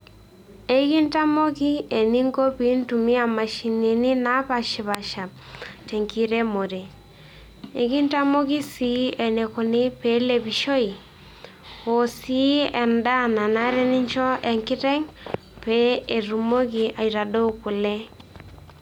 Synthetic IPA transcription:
e˦ki˦nta˦mo˦ki˦e˨ni˦ŋko˦pi˦ntu˨mi˦a˨ma˨ʃi˨ne˨ni˦na˦pa˨ʃɪ˨βa˨ʃa˨p̚te˨ŋki˨˦ɾe˦mo˨ɾe˨ | e˨ki˦nta˦mo˦ki˦si˦e˨ne˨ko˨ni˦pe˨˦le˨pi˨ʃo˦i˨ | o˨si˦ɛ˨nda˦na˨na˦ɾɛ˦nɪ˦ɲt͡ʃɔ˦ʔɛ˨ŋkɪ˦tɛ˦ŋ | pe˦e˨ɾu˨mo˦k̬i˨ʔa˨i˨ɾa˨do˦ku˨lɛ˦

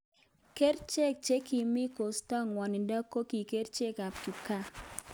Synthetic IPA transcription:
ke˦rt͡ʃe˦k̚t͡ʃe˦ki˨mi˦ko˨stɔ˦ŋwa˨ni˨da˦kːo˦ki˨ke˦ɾt͡ʃe˦ka˨pki˨ka˦

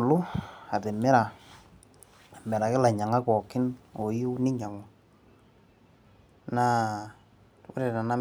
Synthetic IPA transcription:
lʊ˦a˨te˨mɪ˦ɾa˨ | mɛ˨ɾa˨kɪ˦la˨ɲa˨ŋa˦kɔ˨kɪ˦no˨ji˦nɪ˦ɲa˨ŋɔ˨ | na˦ | ʊ̰˦ɾe˨na˨na˦

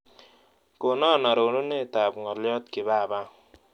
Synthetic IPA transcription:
ko˨nɔ˦˨na˨ɾo˨no˦ne˦˨ta˨bŋɔ˨ljɔ˦tkɪ˨ba˦˨ba˦

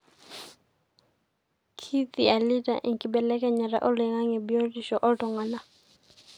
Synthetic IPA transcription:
kʰi˦t̪i˨a˨li˦ta̰˨ʔi˨ŋkʼi˨bɛ˨lɛ˦kɛ˦ɲɛ˨ɾa̰˨ʔɔ˦lɛ˨ŋa˦ŋɛ˨bi˦o˦ri˨ʃɔ˨ʔɔ˦tɔ˨ŋa˨na˦

